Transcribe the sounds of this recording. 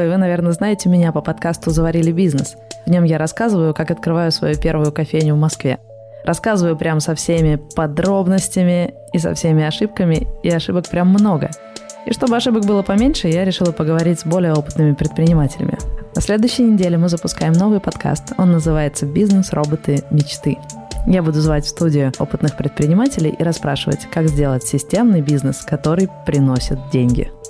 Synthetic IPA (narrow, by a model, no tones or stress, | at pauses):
ɪvɨnɐvʲe̞rnəznajɪtʲɪmʲɪnʲapəpɐt̪kast̪ʊzəvɐɾʲilʲɪbʲiznɨsvnʲo̞mjaɾɐskazɨvəjʊkakɐt̪̚kɾɨvajʊsvɐ̰jupʲe̞rvʊjʊkɐfʲejnʲʊvmɐskvʲḛ | rʔɐskazɨvəjʊpɾʲamsɐfsʲemʲɪpɐd̪ɾo̞bnəsʲtʲɪmʲɪ | is̬ɐ̰fsʲemʲɪɐʂɨp̚kəmʲɪɪɐʂɨbək̚pɾʲamːno̞ɡə̰ | ḭʂt̪o̞bɨɐʂɨbəkbɨlˠəpɐmʲenʲʂɨjaɾʲɪʂɨlˠəpəɡəvɐɾʲitʲz̥ʲbo̞lʲɪjəo̞pɨt̪nɨmʲɪpɾʲɪt̪̚pɾʲɪnʲɪmatʲɪlʲɪ̰mʲɪ̰ɐsʲlʲe̞d̪ʊjʏɕːɪjnʲɪdʲelʲɪmɨzəpʊskajɪmno̞vɨjpɐt̪kʰa̰st̪o̞nːəzɨvajɪt̪səbʲiznəsrʔo̞bət̪ɨmʲɪt͡ɕt̪ɨjabud̪ʊzvatʲfst̪udʲɪʊo̞̰pɨt̪nɨxpɾʲɪt̪̚pɾʲɪnʲɪmatʲɪlʲɪ̰jʔiɾɐspɾa̰ʂɨvə̰tʲkaɡkzʲdʲe̞lˠətʲsʲɪsʲtʲe̞mnɨjbʲiznəskɐt̪o̞ɾɨjpɾʲɪno̞sʲɪt̪̚dʲenʲɡʲɪ̰